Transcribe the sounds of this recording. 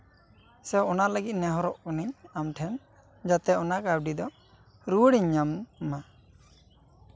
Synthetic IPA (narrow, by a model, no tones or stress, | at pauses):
sɛɔnaʔləɡit̪̚nɛɦɔɾɔʔɔniɲamʈʰɛn | d͡ʒat̪ɛɔnaʔkab̚ɖid̪ɔ | ɾuwɽiɲːamma